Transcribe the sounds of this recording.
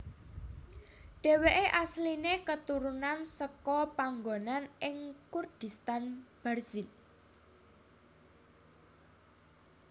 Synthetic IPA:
ɖ̥e̤weʔeʔaslinekət̪uɾunansəkɔpaŋɡonanɪŋkurd̪̥i̤st̪anb̥ɛrz̥in

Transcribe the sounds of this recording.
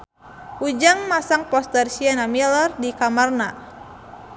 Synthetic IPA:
ud͡ʒaŋmasaŋpɔst̪ərsiɛnamilərdikamarna

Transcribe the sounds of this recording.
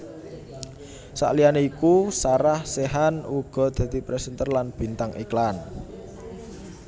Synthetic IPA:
sa̰ʔlianeikusaɾahseɦanuɡ̥ɔ̤d̪̥ä̤d̪̥i̤pɾɛsənt̪ərlanb̥i̤nt̪aŋʔḭklan

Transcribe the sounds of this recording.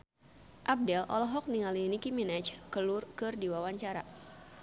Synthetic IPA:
ʔab̚dɛlʔɔ̰lɔɦɔk̚niŋalinikiminɛt͡ʃkəlʊrkɨrdiwawaɲt͡ʃaɾa̰

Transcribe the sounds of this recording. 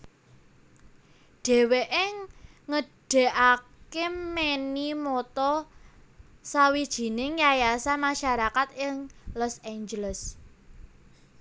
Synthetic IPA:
ɖ̥e̤weʔɪŋ | ŋəɖ̥e̤ʔakemɛnimɔt̪ɔ | sawid̥ʒ̥i̤nɪŋjajasamaʃaɾakat̪ɪŋlɔseɲd͡ʒələs

